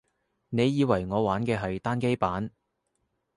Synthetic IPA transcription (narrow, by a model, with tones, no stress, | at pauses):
ne˨˧jːiː˨˧wɐ˨˩jŋɔː˨˧waː˨˥nkɛː˧ɦɐ˨jt̪aː˥nke˥jpaː˨˥n